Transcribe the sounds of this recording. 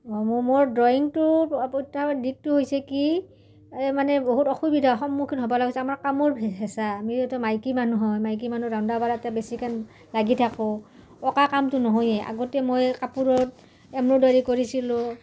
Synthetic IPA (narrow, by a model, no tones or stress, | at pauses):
ɔmmoɹdɔjiŋtʊpɔtadik̚tʊɦojsɛki | manɛboɦutɔxubidʱaɔxɔmːukʰinɦɔbalaɡɔsɛamaɹkamɔɹbʱɛɦɛsaːmiɛtɔmajkimanuɦɔjmajk̬imanudaʊ̃ndabaɹatɛbesikan | laɡitʰakʊ | ɔkakamtʊnɔɦojɛa̰ɡɔtɛmojkapuɹɔt | ɛmɹudaɹikoɹisilʊ̃